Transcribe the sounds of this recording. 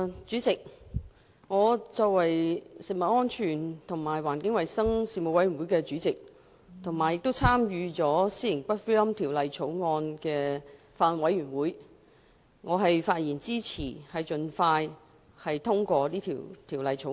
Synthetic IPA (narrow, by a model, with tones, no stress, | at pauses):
t͡ʃyː˨˥t͡sɪ˨k̚ | ŋɔː˨˧t͡sɔː˧k̚wɐ˨˩jsɪ˨k̚mɐ˨t̚ŋɔː˥nt͡ʃʰyː˨˩nt̪ʰʊ˨˩ŋmaː˨˩jwaː˨˩nkɪ˨˥ŋwɐ˨jsɐ˥ŋsiː˧mo˨˧wɐ˨˥jɥy˨˩wu˨˥jkɛː˧t͡ʃyː˨˥t͡sɪ˨k̚ | t̪ʰʊ˨˩ŋmaː˨˩jɪ˨k̚t̪o˥wt͡sʰaː˥mjyː˨˧t͡sɔː˨˥siː˥jɪ˨˩ŋpɐ˥t̚fu˥jɐ˥mt̪ʰiː˨˩wlɐ˨˧jt͡sʰo˨˥wŋɔː˧nkɛː˧ | faː˧lwɐ˨˥jɥyː˨˩nwuː˨˥j | ŋɔː˨˧ɦɐ˨jfaː˧t̚jiː˨˩nt͡siː˥t͡sʰḭː˨˩hɐ˨jt͡ʃɵ˨˧nfaː˧j | hɐ˨jt̪ʰʊ˥ŋkʷɔː˧liː˥t̪ʰḭː˨˩wt̪ʰiː˨˩wlɐ˨˧jt͡sʰo˨˧˥